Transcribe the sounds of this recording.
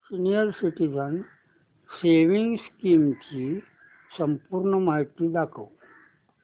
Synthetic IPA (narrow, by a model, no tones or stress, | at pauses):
sinijəɾsiʈid͡zən | seʋiŋɡskiːmt͡ɕi | səmpuɾɳəmaɦit̪id̪akʰəw